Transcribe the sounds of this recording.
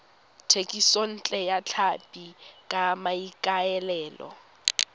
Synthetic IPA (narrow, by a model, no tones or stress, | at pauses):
tʰekʼison̩t͡ɬʼɛjat͡ɬʰapʼikʼamaikʼaɛlɛːlɔ̰